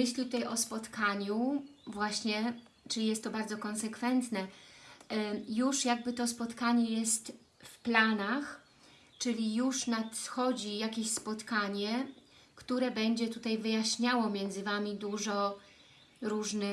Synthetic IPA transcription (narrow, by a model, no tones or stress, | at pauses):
ɘɕlʲit̪ut̪ajʔɔspɔt̪kʰaɲuvwaɕɲɛ | t͡ʂɘijɛst̪ːɔbaɾd̪zɔkɔnsɛkfɛnt̪nɛ | juʂjaɡ̚bɘt̪ɔspɔt̪kaɲɛjɛst̪ | fplanax | t͡ʂɘlʲijuʂnat̪xɔd͡ʑijakʲeɕspɔt̪kaɲɛ | kt̪uɾɛbɛɲd͡ʑɛt̪ut̪ajvɘjaɕɲawɔmʲjɛnd̪zɘvamʲid̪uʐɔ | ɾuʐnɘ